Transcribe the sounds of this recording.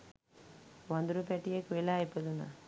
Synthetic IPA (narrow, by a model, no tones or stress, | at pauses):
ʋɐnd̪uɾupɛʈːijɐkːʋelaːjpːɐd̪una̰